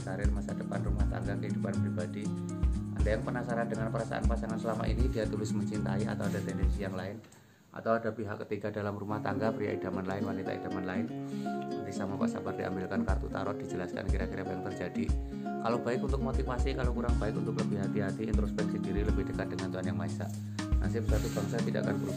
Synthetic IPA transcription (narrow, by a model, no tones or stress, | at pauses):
kaɾɪrmasadəpanrumaht̪a̰ŋɡakəɦidupanpɾibadi | ʔandajaŋpənasaɾandəŋanpəɾasa̰ʔa̰npasaŋansəlama̰ʔḭnidiat̪ulɪsməɲt͡ʃint̪aia̰t̪awadat̪ɛndɛnsijaŋlaɪn | ʔa̰t̪awadapiɦakːət̪iɡadalamrumaht̪aŋɡapɾija̰ʔid̥amanlaɪnwanit̪a̰ḭda̤manlaɪn | bisamapa̰ʔsa̰bard̥iʔa̰mbɪlkankart̪ṵt̪a̰ɾɔt̪̚d̥id͡ʒəlaska̰nkiɾakiɾapjaŋt̪ərd͡ʒadi | kalobaɪkunt̪ʊk̚mot̪ifasikalokuɾaŋbaɪkunt̪ʊkləbɪhɦat̪iɦat̪iːnt̪ɾospɛksindiɾiləbɪhd̥əkat̪̚dəŋant̪uɦanjaŋmaisa̰ʔ | na̰ŋsibəsart̪ub̥aŋs̬at̪idaʔa̰kant̪uɾ